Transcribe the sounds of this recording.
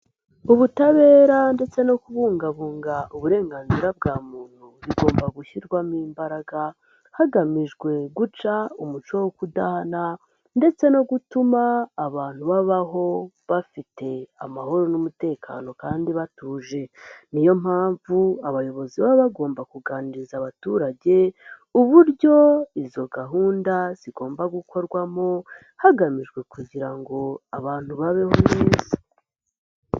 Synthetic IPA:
uβutaβe̞ːɾande̞t͡se̞no̞kuβuːŋɡaβuːŋɡaʔuβuɾe̞ːŋɡaːnziɾab̚ɡaːmuːn̥huβiɡo̞ːmbaɡuçiɾɡwamiːmbaɾaɡa | haɡamiʒɡwe̞ɡut͡ʃaumut͡ʃowokudahana | nde̞t͡se̞no̞ɡutumaːβaːn̥huβaβaɦo̞ | βafite̞a̰maho̞ɾo̞numute̞ːkʰa̰no̞kaːndiβatuːʒe̞nijo̞m̥haːɱvuaβajo̞βo̞ziβaβaɡo̞ːmbakuɡaːniɾizaβatuɾaɟe̞uβuɾɟo̞izo̞ɡaɦuːndaz̥iɡo̞ːmbaɡukʰo̞ɾɡwamo̞ | haɡamiʒɡwe̞kuɟiɾaŋɡo̞aβaːn̥huβaβe̞ho̞mŋiːzi̥

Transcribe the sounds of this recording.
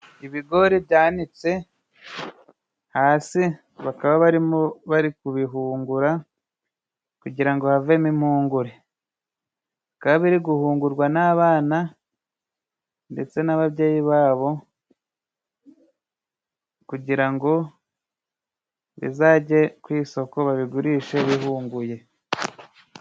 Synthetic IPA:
iβiɡo̞ɾibjaːnit͡se̞ | haːsi | βakaβaβaɾimoβaɾikuβiɦuːŋɡuɾa | kuɟiɾaŋɡo̞havemimuːŋɡuɾe̞ | βakaβaβiɾiɡuhuːŋɡuɾɡwanaːβaːna | nde̞t͡se̞naβaβje̞ːjiβaːβo̞ | kuɟiɾaŋɡo̞ | βḭzaːɟe̞kwiːso̞ko̞βaβiɡuɾiːʃe̞βiɦuːŋɡuje̞

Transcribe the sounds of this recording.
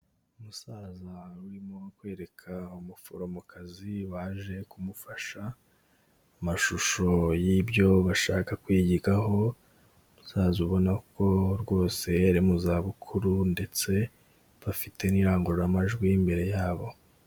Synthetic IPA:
umusaːzawɾimokwe̞ːɾe̞kʰaumufuɾomukʰaziβaːʒe̞kumufaʃaː | maʃuʃo̞jibjo̞βaʃaːkakwiːɟiɡaɦo̞ | musaːzuβo̞nako̞ɾɡwo̞ːse̞jeɾemuzaβukʰuɾunde̞t͡se̞ | βafitʰe̞niɾaːŋɡuɾuɾamaʒɡwimbe̞ɾe̞jaːβo̞

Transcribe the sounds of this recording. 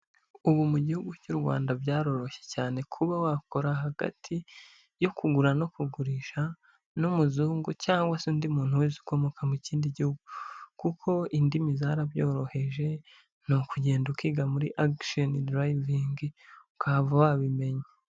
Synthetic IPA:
uβumuɟihuɡucuɾɡwa̰ːndabjaːɾo̞ɾo̞ʃe̞caːne̞kʰuβawakoɾaɦaɡa̰tʰi | jo̞kuɡuɾano̞kuɡuɾiʃa | numuzuːŋɡucaːŋɡwasuːndimuːn̥huwezi̥ko̞mokamiciːndiɟihuɡukukʰo̞indimizaɾaβjoːɾo̞he̞ʒe̞ | nokuɟe̞ːndukiɡamuɾḭʔakʃonidɾajviŋɡiukʰavawaβime̞ɲe

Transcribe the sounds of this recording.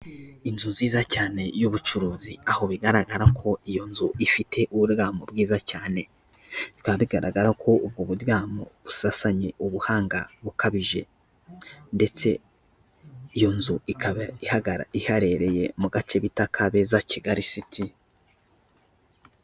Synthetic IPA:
inzuziːzacaːne̞juβut͡ʃuɾuːziaho̞βiɡaɾaɡaɾakʰo̞ijo̞nzuifitʰe̞ʔuβuɾɡaːmobɡiːzacaːne̞ | βikaβaβiɡaɾaɡaɾakʰo̞ub̚ɡoβuɾjaːmo̰βusasaɲe̞ʔuβuhaːŋɡaβukaβiʒe̞̰ | nde̞t͡se̞ | ijo̞nzuikaβaihaɡaɾa̰ihaɾe̞ɾe̞je̞muɡat͡ʃe̞βitakʰaβe̞zaciɡaɾisitʰi

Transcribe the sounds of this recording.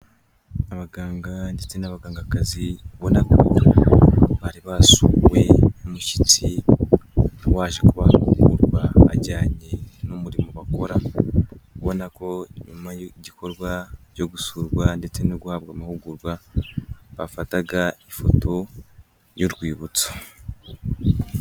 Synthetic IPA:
aβaɡaːŋɡande̞t͡se̞naβaɡaːŋɡakaziβonakoo | βaɾiβasuwe̞omuʃi̥t͡si | waːʒekuβahṵɡṵɾɡwa̰ːɟaːɲenumuɾimoβako̞ɾa | kuβo̞nako̞ɲumaɟikʰo̞ɾɡwaɟo̞ɡusuːɾɡwande̞t͡se̞noɡuhaβɡamahuɡuɾɡwa | βafataɡaifo̞tʰo̞ | joɾɡwiːβut͡so̥

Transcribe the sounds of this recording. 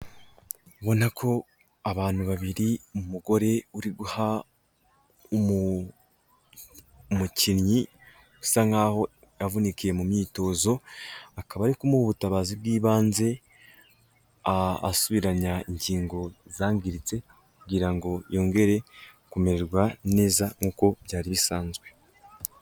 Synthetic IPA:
βo̞nakʰo̞ | aβaːn̥huβaβiɾimumuɡo̞ɾe̞uɾiɡuha | mucinɲi | ɡu̥saŋaːho̞ | javunikie̞mumɲiːto̞ːzo̞akaβaːɾikumuuβutaβaːzibɡiːβaːnze̞ | a̰ːsuβiɾaɲaiɲɟiːŋɡo̞zaːŋɡiɾit͡se̞ | kuɡiɾaŋɡo̞jo̞ːŋɡe̞ɾe̞ | kumeɾeɾɡwane̞ːzaŋ̥uːko̞bɟaːɾiβisaːnzɡwe̞

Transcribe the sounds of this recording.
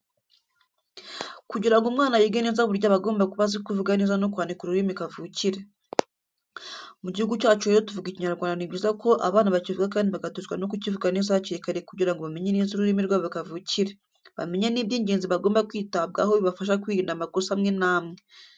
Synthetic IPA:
kuɟiɾaŋɡomŋaːnajiɡenezaβuɾjaβaɡo̞ːmbakuβazikuvuɡanizanokwaːndikuɾuɾimikavuciɾe | muɟihuɡut͡ʃaːt͡ʃueɾotuvuɡiciɲaɾɡwaːndanibɟiːzako̞ʔa̰βaːnaβacivuɡakaːndiβaɡatuzɡwano̞kucivuɡanizaaciɾikaɾekuɟiɾaŋɡoβame̞ɲeniːnziɾuɾiːmiɾɡwaːββikavuciɾe | βa̰me̞ɲeniːbɟiːɲɟeːnziβaɡo̞ːmbakwiːtaβ̚ɡa̰hoβiβafaʃ̬akwiɾiːndamakosaamŋenaːmŋe

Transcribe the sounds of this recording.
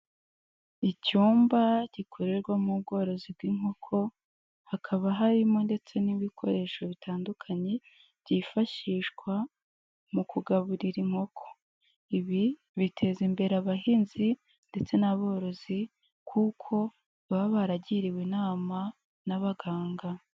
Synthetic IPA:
icuːmbaɟ̥ikʰo̞ɾe̞ɾɡwamub̚ɡo̞ːɾo̞zib̚ɡiːŋ̥ho̞kʰo̞ | hakʰaβaɦaɾimo̞nde̞t͡se̞niβikʰo̞ɾe̞ːʃo̞βitʰaːndukʰaɲe̞ | β̥ɟifaʃiʃɡwa | mukuɡaβuɾiɾiŋ̥ho̞kʰo̞̥ | iβi | βitʰe̞zimbe̞ɾeaβaɦiːnzi | nde̞t͡se̞naβo̞ːɾo̞zi | kʰukʰo̞ | βaβaβaɾaɟiɾiwenaːma | naβaɡaːŋɡa

